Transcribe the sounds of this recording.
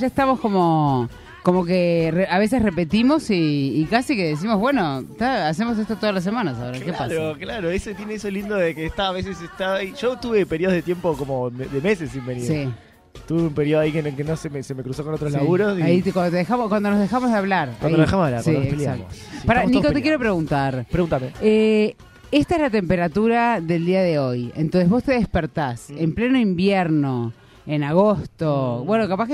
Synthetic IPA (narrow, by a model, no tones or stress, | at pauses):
ʒaeht̪amo̞sko̞mo̞ | komok̬ereaβe̞s̬e̞srepe̞t̪imo̞siːkasikeðes̬imoβwe̞not̪aas̬emos̬est̪ot̪oðalas̬emãnas̬aoɾakkepasɾoklaɾoesot̪jeneesolind̪oðekeːst̪aːβes̬esest̪aiʒ̥ot̪uβepeɾjioððet̪jempokomomeðeme̞sesimbeniɾi | t̪uβeumpeɾioðaikenelkenosemesemekɾusokonot̪ɾoslaɣuɾosaikwand̪ot̪eðexamokwand̪onozðexamozðeaβlaɾawanionoðexamosaβlaɾwsaipljaakoso̥paɾaniikot̪ekkjeɾo̞pɾeɣunt̪aɾpɾeɣunt̪amee | est̪aezlat̪e̞mpeɾat̪uɾaðe̞ld̪iaðeo̞jḛnt̪onseβo̞st̪eðespeɾt̪ase̞mplenoimbjeɾno̞ | enaɣ̞ost̪obwe̞nokapahke